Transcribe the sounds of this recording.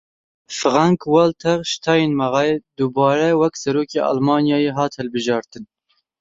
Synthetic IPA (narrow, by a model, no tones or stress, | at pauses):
fɨʁɑŋkwɑlt̪ʰɛʁʃt̪ʰɑːjenmɑʁɑːjed̪ubɑːɾɛwɛksɛɾoːkḛːʔɑ̰lmɑːnjɑːjeːɦɑːt̪hɛlbɨʒɑːɾt̪ɨn